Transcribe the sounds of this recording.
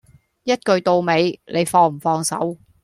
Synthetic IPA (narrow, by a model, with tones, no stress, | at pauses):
jɐ˥t̚kɵ˧ɥt̪o˧wme˨˧jlʔe˨˧jfɔː˧ŋm̩˨˩fɔː˧ŋsɐ̰˨˥w